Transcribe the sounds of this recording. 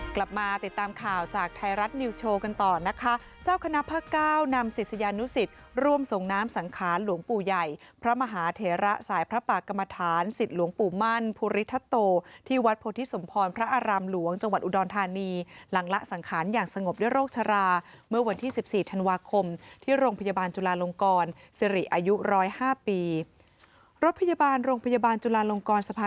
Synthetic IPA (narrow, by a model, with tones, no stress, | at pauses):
kla˨˩p̚maː˧t̪i˨˩t̪ːaː˧mkʰaː˨˩wt͡ɕaː˨˩k̚t̪ʰa˧jɾa˦˥t̪̚niː˧t͡ɕʰoː˧ka˧nt̪ɔː˨˩na˦˥kʰa˦˥ | t͡ɕaː˥˩wkʰa˧na˦˥pʰːaː˥˩kaː˥˩wna˧msi˨˩t̪̚sa˧jaː˧nu˦˥si˨˩t̪̚ | ɾu˥˩əmso˨˩ŋnaː˦˥msa˩˦ŋkʰaː˩˦nlu˩˦əŋpuː˨˩ja˨˩jpʰɾa˦˥ma˧ɦaː˩˦t̪ʰeː˩˦ɾa˦˥ʔsaː˩˦jpʰɾa˦˥paː˨˩kːa˧mːa˧t̪ʰaː˩˦nsi˨˩t̪̚lu˨˩˦əŋpuː˨˩ma˥˩npʰu˧ɾi˦˥t̪ʰːa˦˥t̪oː˧t̪ʰiː˥˩wa˦t̪̚pʰoː˧t̪ʰi˦˥so˩˦mpʰɔː˧npʰɾa˦˥ʔaː˧ɾaː˧mlu˩˦əŋt͡ɕa˧ŋwa˨˩t̪̚ʔu˨˩dɔː˧nt̪ʰaː˧niː˧la˩˦ŋla˦˥ʔsa˩˦ŋkʰaː˩˦njaː˨˩ŋsa˧ŋo˨˩p̚du˥˩əjɾoː˥˩k̚t͡ɕʰa˧ɾaː˧ | mɯ˥˩ɐwa˧nt̪ʰiː˥˩si˨˩p̚siː˨˩t̪ʰa˧nwaː˧kʰo˧mt̪ʰiː˥˩ɾoː˧ŋpʰa˧jaː˧baː˧nt͡ɕu˧laː˧lo˧ŋkɔː˧n | si˧ɾi˨˩ʔaː˧ju˦˥ɾɔː˦˥jhaː˥˩piː˧ | ɾo˦˥t̪̚pʰa˧jaː˧baː˧nɾoː˧ŋpʰa˧jaː˧baː˧nt͡ɕu˧laː˧lo˧ŋkɔː˧nsa˧pʰaː˧